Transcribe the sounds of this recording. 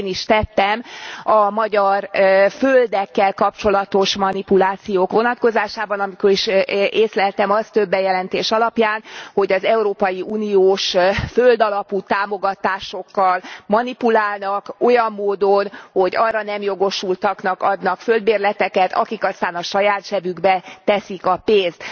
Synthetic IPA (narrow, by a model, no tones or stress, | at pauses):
niʃt̪ɛt̪ːɛmɒmɒɟɒrføld̪ɛkːɛlkɒpt͡ʃo̞lɒt̪o̞ʃmɒnipulaːt̪sijoːkʋo̞nɒt̪ko̞zaːʃaːbɒnɒmiko̞ɾiʃʔeːslɛlt̪ɛmɒst̪ø̞bːɛjɛlɛnt̪eːʃɒlɒpjaːnho̞ɟɒzɛuɾoːpɒjiuːnioːʃføld̪ɒlɒput̪aːmo̞ɡɒt̪aːʃo̞kːɒlmɒnipulaːlnɒko̞jɒmːoːd̪o̞nho̞ɟɒrːɒnɛmjo̞ɡo̞ʃult̪ɒknɒkɒd̪nɒkfø̞ld̪beːrlɛt̪ɛkɛt̪ʰɒ̰kikɒst̪aːnɒʃɒjaːt̪ʃɛvyɡbɛt̪ɛsikɒpeːnst̪